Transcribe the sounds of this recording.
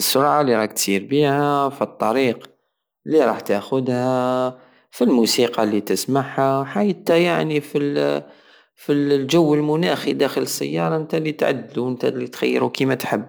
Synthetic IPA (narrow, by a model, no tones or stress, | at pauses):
sːʊɾˤʕalːiɾˤɑħt̪siːɾbihæfit̪ˤːɑɾiːq | lːiɾˤɑːħt̪aʔxʊd̪hæ | filmusiqɑlːit̪əsmaħhawħajət̪æjaʕnifil | filʒawːəlmʊnæxid̪æxələsːæ̰jːɑɾˤɑʔənt̪ælit̪ʕa̰d̪ːluənt̪æ̰lit̪xa̰jːɾukimæt̪ħəbː